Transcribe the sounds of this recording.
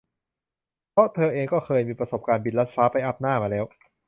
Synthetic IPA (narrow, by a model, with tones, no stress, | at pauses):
pʰɔ˦˥t̪ʰɤː˧ʔeː˧ŋkɔː˥˩kʰɤː˧jmiː˧pɾa˧so˨˩p̚kaː˧nbi˨˩t̪̚la˦˥t̪̚faː˦˥pa˧jʔa˦˥p̚naː˥˩maː˧lɛː˦˥w